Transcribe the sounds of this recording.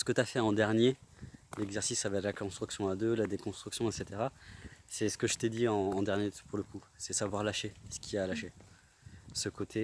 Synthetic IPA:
sə̥kət̪yafɛɑ̃d̪ɛʁnjelɛɡzɛʁsisːavaɛt̪lakɔ̃st̪χyksjɔ̃ad̪ølad̪ekɔ̃st̪χyksjɔ̃ɛt̪set̪eʁasɛsə̥kəʒət̪ɛd̪iɑ̃ːd̪ɛʁnjepuʁləku | sɛsavwaʁlaʃesə̥kʲʰialaʃe | səkot̪ʰe

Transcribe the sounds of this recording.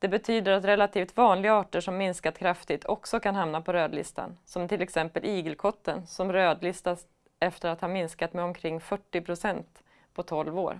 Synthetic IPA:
d̪̥ɛbɛt̪ʰyːd̪əɾat̪ɾɛlat̪ʰiːft̪vɑːnlɪɡaɑːʈəʂɔmːɪnskat̪kʰɾaft̪ɪt̪ʰɔksɔkʰanɦamnapʰɔɾøːd̪lɪ̰st̪ʰa̰nsɔmt̪ʰɪlɛksɛmpəlʔiːɡəlkʰɔt̪ːənsɔmɾøːd̪lɪst̪as | ɛft̪əɾat̪haɾmɪnskat̪mɛɔmkʰɾɪŋːfœʈːɪpʰɾʊsɛnt̪ | pʰɔt̪ʰɔlvo̰ːɾ

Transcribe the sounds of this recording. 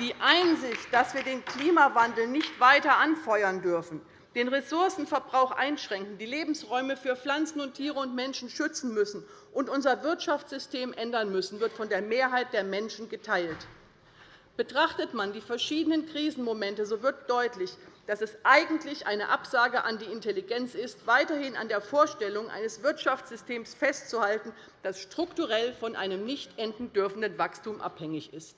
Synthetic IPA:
d̥iːʔaɪnzɪçt̚d̥asv̥iːɐdeːnkl̥iːmavandl̩nɪçtv̥aɪtɐʔanfɔʏɐndʏɐfn̩ | d̥eːnʁesʊɐsn̩fɛɐbʁaʊxʔa̰ɪnʃʁ̥ɛŋkŋ̩diːleːbm̩sʁɔʏməfyːɐfl̥ant͡sn̩ʊntʰiːʁəʊntmɛnʃn̩ʃʏt͡sn̩mʏsn̩ | ʔʊntʔʊnzɐvɪɐtʃaft͡sz̥ʏsteːmʔɛndɐnmʏsn̩vɪɐtfɔndeːɐmeːɐɦaɪt̚d̥eːɐmɛnʃn̩ɡətʰaɪlt | b̥ətʁ̥aχtətmandiːfɛɐʃiːdənənkʁ̥iːzn̩momɛntəzoːvɪɐt̚d̥ɔʏtlɪçd̥asɛsʔaɪɡŋ̩tlɪçʔa̰ɪnəʔapz̥aːɡəʔandiːɪnteliɡɛnt͡sɪstv̥aɪtɐhɪna̰ndeːɐfoːɐʃtɛlʊŋʔa̰ɪnəsv̥ɪɐtʃaft͡sz̥ʏstʰeːmsfɛstt͡suhaltn̩ | d̥asʃtʁ̥ʊktuʁɛlfɔnʔa̰ɪnəmnɪçtʔɛndn̩dʏɐfn̩dənvakstuːmʔa̰phɛŋɪçɪst

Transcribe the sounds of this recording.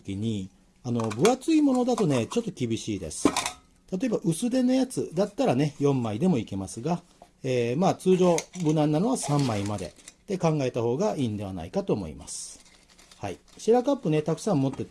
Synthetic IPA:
kʲiɲ̟i | ano̞bɯ̟at͡sɨimo̞no̞d̪at̪o̞ne̞t͡ɕo̞t̪ːo̞kʲibʲiɕiːd̪e̞̰sɨ̥ | t̪at̪o̞e̞baʔɯ̟sɨd̪e̞no̞jat͡sɨd̪at̪ːaɾane̞jõ̞mːaid̪e̞mo̞ike̞masɨɡa | eːmaːt͡sɨːʑo̞ːbɯ̟nãnːano̞βasãmːaimad̪e̞̰t̪e̞kãŋɡae̞t̪aho̞ːɡaiːnd̪e̞βa̰na̰ikat̪o̞ːmo̞̰ḭma̰sɨ̥ | haiɕiɾakapːɯ̟ne̞t̪akɯ̟̥sãmmo̞t̪ːe̞

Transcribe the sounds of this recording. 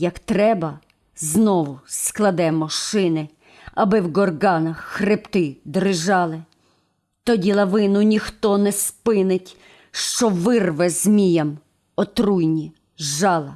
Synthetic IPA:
jɐkt̪ɾɛbɐ | znɔʋʊsklˠɐd̪ɛmɔʃɪnɪ | ɐbɪwɡɔrɡɑnɐxːrept̪ɪd̪ɾɪʒɑlˠɪ | t̪ɔdʲilˠɐʋɪnʊnʲixt̪ɔnɛspɪnɪtʲ | ʃt͡ʃɔʋɪrʋɛzmʲijɐm | ɔt̪ɾujnʲi | ʒɑlˠɐ

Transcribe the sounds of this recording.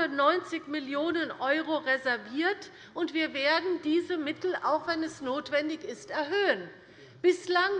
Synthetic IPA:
ɐnɔʏnt͡sɪçmɪljoːnənʔɔʏʁoʁezɛɐviːɐt | ʔʊntv̥iːɐveːɐdn̩diːzəmɪtl̩a̰ʊxv̥ɛnɛsnoːtv̥ɛndɪçɪstɛɐɦøːən | b̥ɪslaŋ

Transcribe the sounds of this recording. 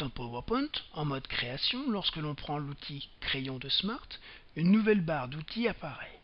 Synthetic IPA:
ɑ̃pɔvəpɔ̃nt̪ɑ̃mɔd̪kχeasjɔ̃lɔʁskəlɔ̃pχɑ̃lut̪ʰikχejɔ̃d̪əsmaʁt̪ | ynːuvɛlbaʁd̪ut̪ʰiapaʁɛ

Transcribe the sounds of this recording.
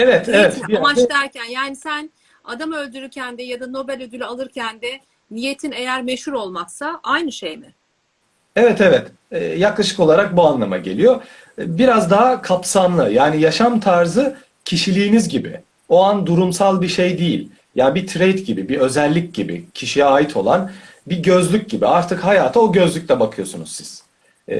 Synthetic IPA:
ɛvɛt̪ʰɛvɛt̪mat͡ʃt̪æɾcʰænjaːnisæn | ad̪amø̞lʲd̪yɾyɾcʰænd̪ɛjad̪ano̞bælʲød̪ylʲyalˠɯɾcʰænd̪ɛ | nije̞t̪ʰinejæɾmeʃhuɾo̞lˠmaksaʔajnɯʃejmɪ | ɛvɛt̪ʰɛvɛt̪ | ɛːjaklˠaʃɯko̞lˠaɾak̚buanlˠama̰ɟe̞lʲijo̞ | biɾazd̪aɦakʰapsamlˠɯjaːnijaʃamt̪ʰaɾzɯ | cʰiʃilʲiːnizɟibḭ | o̞and̪uɾumsalˠbiʃe̞jd̪ijḭlʲ | jabit̪ʰɾejt̪ɟibibiø̞zɛlʲːicɟibḭcʰiʃijɛaːjit̪ʰo̞̰lˠan | biɟø̞zlʲyc̚ʲɟibḭaɾt̪ʰɯkhajaːt̪ʰao̞ɟø̞zlʲycʲlʲɛbakʰɯjo̞sunṵzsiz̥

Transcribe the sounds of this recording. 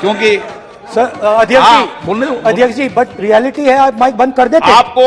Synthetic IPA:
kjõːki | sɐɾɐd̪ʱjəkd͡ʒiːoɐd̪ʱjəkd͡ʒiːbɐʈ̚ɾijɛːlɪʈiɦɛaːpmaːɪk̚bɐ̃nd̪̚kɐɾd̪eːteaːp̚ko

